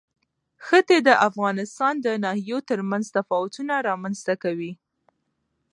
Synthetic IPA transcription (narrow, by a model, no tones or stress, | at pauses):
xət̪ed̪əʔafɣɑnɪst̪ɑnd̪ənɑhijot̪əɾmanzt̪afɑwʊt̪unaɾɑmanz̥t̪akawi